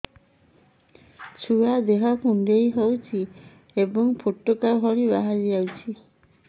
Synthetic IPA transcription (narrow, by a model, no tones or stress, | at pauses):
t͡ʃʰuad̪eɦɔpʰuɳɖejɦowt͡ʃʰi | ebɔŋpʰoʈːokaɦɔɾibaɦad͡ʒiawt͡ʃʰi